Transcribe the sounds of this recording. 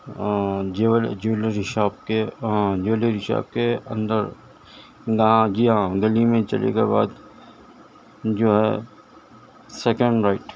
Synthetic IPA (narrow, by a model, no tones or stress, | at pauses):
d͡ʒɪʋəld͡ʒɪliɾɪʃaːb̚keãd͡ʒɪʋliɾɪʃa̰ːb̚keɐ̃nd̪əɾ | ɡɦãd͡ʒiːɦãɡəlimẽt͡ʃɐ̰lḛkḛba̰ːd̪ | d͡ʒoːɦɛ | sɛːkə̃ɳɖɾaɪʈ